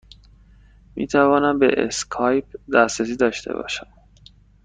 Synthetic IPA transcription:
mḭːt̪ʰævɒːnæmbḛʔḛskʰɒːjp̚d̪æst̪ɾes̬iːd̪ɒːʃt̪ʰe̞̰bɒ̰ːʃæm

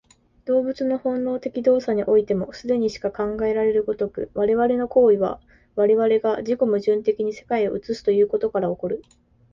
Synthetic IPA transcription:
d̪̥o̞ːbɯ̟t͡sɨno̞hõ̞nːo̞ːt̪e̞kʲid̪o̞ːsaɲ̟iʔo̞it̪e̞mo̞sɨd̪e̞ɲ̟iɕi̥kakãŋɡae̞ɾaɾe̞ɾɯ̟ɡot̪o̞kɯ̟̰βaɾe̞βaɾe̞no̞ko̞ːiβa̰ | βaɾe̞βaɾe̞ɡad͡ʑiko̞mɯ̟ʑɨ̃nt̪e̞kʲiɲ̟ise̞̥kaioɯ̟t͡sɨsɨ̥t̪o̞jɯ̟ːko̞t̪o̞kaɾao̞ko̞ɾɯ̟

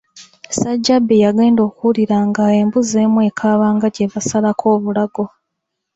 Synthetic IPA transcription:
saɟːabːejaɡe̞ːndo̞ːkuliɾaŋɡaeːmbuze̞ːmwe̞ːkʰaːβaːŋɡaɟeβasalakʰo̞ːβulaɡo̞

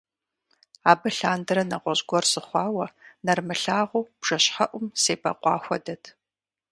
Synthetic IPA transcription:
aːbɨɬaːndɨɾɐnɐ̰qʷɔʑɡʷɔrsɨχʷɑːwɐnɐrmɨɬaːʁʷuːb̥ʐ̥ɐɕħɐʔʷʊmseːpʰʼɐ̰qʷɑ̰ːxʷɔdɐtʰ

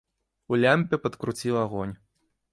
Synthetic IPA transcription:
ulʲamʲpʲɛpɐt̪kɾut͡sʲilˠaɣɔnʲ

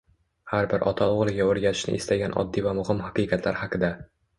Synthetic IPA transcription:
haɾbɪɾʔɒt̪ʰaoʁlˠɪɡʲaoɾɡʲat̪ʰɪ̥ʃnɪ̰ɪst̪ʰaɡʲanʔɒ̰d̪ːivamʊhɪmhaqɨjqɑt̪ʰla̰ɾhaqʰɨd̪a

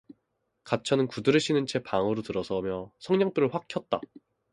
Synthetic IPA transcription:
kat͡ɕʰʌnɯnkudɯɾɯɕʰinɯnt͡ɕʰepaŋɯɾotɯɾʌsʰʌmjʌsʰʌŋɲʌŋp͈uɾɯɭɸwakʰjʌt̚t͈a

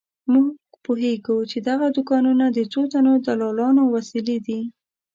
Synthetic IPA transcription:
muɡ̥poɦeɡut͡ʃed̪aɣad̪ʊkɑnunad̪ət͡sot̪anod̪alɑlɑnowasiled̪i

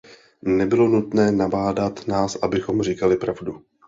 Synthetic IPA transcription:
nɛbɪlo̞nut̪nɛːnabaːdat̪naːsʔabɪxo̞mrikalɪpɾavdu

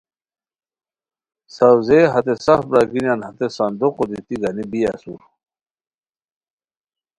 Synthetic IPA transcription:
sɐwzeɦɐt̪esɐfbɾaɡinjanhɐt̪esɐnd̪uqod̪it̪iɡɐnibiɐ̰sṵɾ

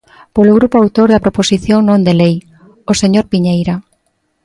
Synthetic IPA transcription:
poloɣ̞ɾupoawt̪oɾðɐpɾoposiθjoŋnõnd̪elej | oseɲoɾpiɲejɾa

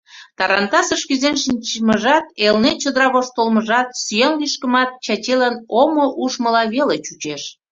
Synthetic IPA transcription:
t̪ɑɾɑnt̪ɑsəʃkyzenʃinʲt͡ɕməʒɑt̪elnet͡ɕəd̪əɾɑβoʃt̪olməʒɑt̪syjenliʃkəmɑt̪̚t͡ɕɑt͡ɕelənomoʔuʃməlɑβelet͡ɕut͡ɕeʃ

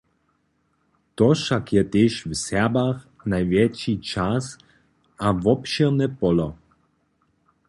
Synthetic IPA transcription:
t̪ɔʃakjɛt̪eːʃvsɛbax | najvjɛt͡ʃit͡ʃas | avɔpʃɛʁnɛpɔlɔ

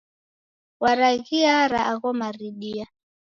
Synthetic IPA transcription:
waɾaɣiaɾaʔaɣɔmaɾiɗia

